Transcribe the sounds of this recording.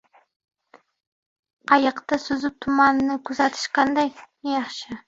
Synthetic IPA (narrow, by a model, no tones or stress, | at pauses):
ɑjəqt̪ɑsɵzɪp̚t̪ʰumɑnnəkʲʰɵzæt̪ʰɪ̥ʃqʰɑnd̪ɑj | jɑχʃə